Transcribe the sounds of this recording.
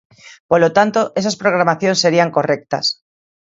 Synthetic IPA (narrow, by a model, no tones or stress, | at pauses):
polot̪ant̪oʔesaspɾoɣ̞ɾamaθjonseɾiaŋkorek̚t̪a̰s